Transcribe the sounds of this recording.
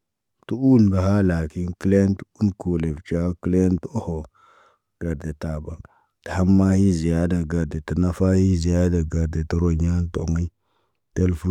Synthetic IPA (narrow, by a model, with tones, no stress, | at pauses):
tu˦u˦n˨da˨ha˦la˨ki˦nki˦le˦ntu˦nku˨le˨vt͡ʃa˦ki˦le˦nto˦ho˨ | ɡ̥a˨ɾde˨ta˨ba˨ | ta˨ha˦mːa˦hi˦zi˨ja˦da˨ɡa˨ɾde˨ti˨na˦fa˦hi˦zi˨ja˦da˨ɡa˨ɾde˨tu˦ɾo˦ɲa˦n˦to˨ma˦i˦ | te˦lfu˦